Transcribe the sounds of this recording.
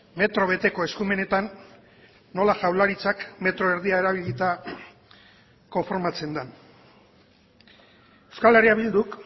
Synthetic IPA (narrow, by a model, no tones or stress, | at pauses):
me̞t̪ɾo̞βe̞t̪e̞ko̞e̞skume̞ne̞t̪anː | o̞laʝawlaɾit͡sakme̞t̪ɾo̞eɾðiae̞ɾaβiʎit̪a | ko̞ɱfoɾmat͡se̞nd̪an | ewskale̞riaβild̪uk